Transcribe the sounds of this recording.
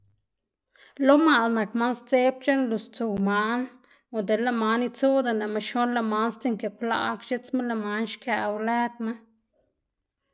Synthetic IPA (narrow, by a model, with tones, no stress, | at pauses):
lo˦ma˨lna˨kma˦nst͡se˦p̚t͡ʃe˦nlu˧˨st͡su˨wma˧˦n | o˨d̪e˨la˦˧ma˧ni˧t͡su˦d̪a˧˨na˨ma˧ʃo˦nla˧ma˦nst͡si˧ŋke˨kʷla̰˧kt͡ʃe˦t͡sma˦la˧ma˧˦nʃka˧˨˧wle˦d̪ma˦